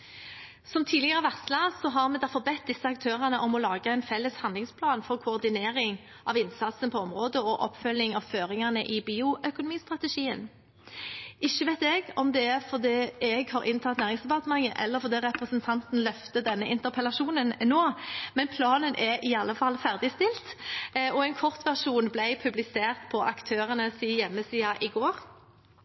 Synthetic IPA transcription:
sɔmt̪ʰiːd̪lɪɡəʁəʋæʁt̪slɑsɔɦɑʁmɛːd̪æʁfɔʁbɛt̪̚d̪ɪsːəɑk̚t̪ʰøːʁənəʔɔmɔlɑːɡəɛɪnfɛlːəshɑnlɪŋspʰlɑːnfɔʁkʰʊɔʁd̪ɪneːɾɪŋ | ʔɑʋɪnsɑt̪sənpʰɔɔmʁoːd̪əɔʔɔ̰pːfœlːɪŋɑʋføːʁɪŋənəʔɪbiːʊʔœkʊnʊmiːst̪ʁɑt̪ɛʂiːən | ɪçːəʋɛːt̪ɛɡɔmd̪ɛæʁfɔʁd̪iːɛɡhɑːʁʔɪnt̪ʰɑt̪næːʁɪŋsd̪ɛpɑʁt̪əmɑŋːəʔɛ̰lːəɾfɔʁd̪iːʁɛpʁəsənt̪ʰɑnt̪n̩lœft̪əd̪ɛnːəʔɪnt̪əpʰɛlɑʂuːnənnoːmɛnpʰlɑːnənʔɛɾɪɑlːəfɑlːfæʁd̪ɪst̪ɪlt̪ɔɛɪnkʰɔʁt̪ʋæʁʂuːnblæɪpʰʉblɪseːʁt̪pʰɔʔɑkt̪ʰøːʁənəsiːjɛmːəsiːɑʔɪɡoːɾ

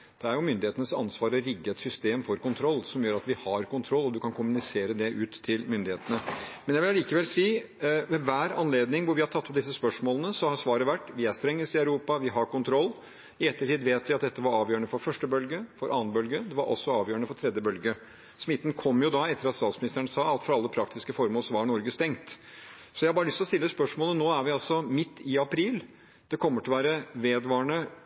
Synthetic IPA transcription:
d̪̥ɛæɾjʊmʏnd̪ɪheːt̪ənəsɑ̰nsʋɑːɾəɾɪɡːəɛt̪sʏst̪eːmfɔɾkʊnt̪ʰɾɔlːsɔmjøːɾɑt̪ʋɪhɑɾkʊnt̪ʰɾɔlːɔd̪ʉkʰɑnkʰʊmʉnɪseːɾəd̪ɛʔʉːt̪ʰːɪlmʏnd̪ɪheːt̪ənəmɛnjæʋɪlɑliːkəʋɛlsiː | ʋɛʋæːɾɑnleːd̪nɪŋʋʊɾʋɪhɑɾt̪ʰɑt̪ːɔp̚d̪ɪs̬ːəspœʂmoːlənəsɔhɑɾsʋɑːɾəʋæʈːʋɪæst̪ɾɛŋːəsɪœʉɾuːpɑʋɪɦɑɾkʊnt̪ʰɾɔlː | ɪɛt̪ːəʈʰiːd̪ʋeːt̪ʋɪɑt̪̚d̪ɛt̪ːəʋɑɾɑːʋjøːəɳəfɔɾfœʂʈəbœlɡəfɔɾʔɑːnbœlɡəd̪ɛʋɑɾʔɔ̰sːɔɑːʋjøːɾɳəfɔʈ̪ʰɾɛd̪jəbœlɡə | smɪt̪ːn̩kʰɔmːjʊd̪ɑɛt̪ːəɾɑt̪st̪ɑːt̪smɪnɪst̪əɾəɳəsɑːɑt̪fɔɾɑlːəpʰɾɑkt̪ɪskəfɔɾmoːlsɔʋɑɳɔɾɡəst̪ɛŋt̪ | sɔjæɪhɑbɑːɾəlʏst̪lɔst̪ɪlːəspœʂmoːlənoːæɾʋɪɑlsɔmɪt̪ːɪɑpʰɾiːl | d̪̥ɛkʰɔmːəʈʰɪlʋæːɾəʋeːd̪ʋɑːɳə

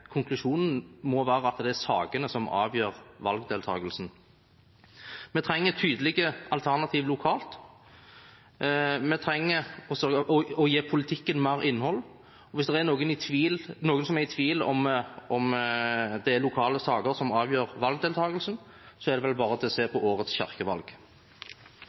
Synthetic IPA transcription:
kʰʊŋkʰlʉʃuːnn̩mɔʋæːɾəɑt̪d̪ɛæɾsɑːɡənəsɔmɑ̰ːʋjøːɾʋɑlɡd̪eːlt̪ʰɑ̰ːɡəlsn̩ | mɛt̪ʰɾɛŋːət̪ʰyːd̪əlɪɡəɑlt̪ʰæʁnɑt̪ʰiːʋlʊkʰɑːlt̪ | mɛt̪ʰɾɛŋːəɔsɔʔɔjeːpʰʊlɪt̪ʰɪkːənmæʁɪnːhɔlː | ɔʋɪsd̪ɛɾɛnoːɡənɪt̪ʰʋiːlnoːɡənsɔmɛɾɪt̪ʰʋiːlɔ̰mɔm | d̪ɛælʊkʰɑːləsɑːɡəɾsɔmɑːʋjøːɾʋɑlɡ̚d̪eːlt̪ʰɑːɡəlsn | sɔɛʁd̪ɛʋɛlbɑːɾəɑt̪ːɛseːɾpʰɔʔoːɾət̪sçæ̰ʁkəʋɑ̰lɡ

